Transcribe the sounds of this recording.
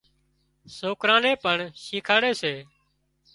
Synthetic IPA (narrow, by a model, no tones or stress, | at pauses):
soːkɾãːnẽːpəɳʃiːkʰaːɽeːseː